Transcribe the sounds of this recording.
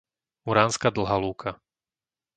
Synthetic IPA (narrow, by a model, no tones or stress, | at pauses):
uɾaːnskad̪l̩ɦaluːkʰa